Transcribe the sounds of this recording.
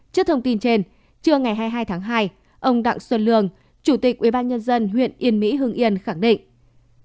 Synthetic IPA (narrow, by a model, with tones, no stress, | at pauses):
t͡ɕɨ˦˥k̚t̪ʰə˧ŋ͡mt̪i˧nt͡ɕe˧n | t͡ɕɨ˧əŋa˨˩jɦaː˧jɦaː˧jt̪ʰaː˨˦ŋɦaː˧j | ʔə˧wŋ͡mɗa̰˧˨ŋswə˧˩t̚lɨ̰˧˨əŋ | t͡ɕu˧˩t̪i˨˩k̚ʔwi˧˩ɓaː˧nɲə˧nzə˧nɦwḭ˧˨ənʔi˧˩ənmḭ˧˥ɦɨ˧ŋʔi˧ənxa˧˩ŋɗḭ˧˨ŋ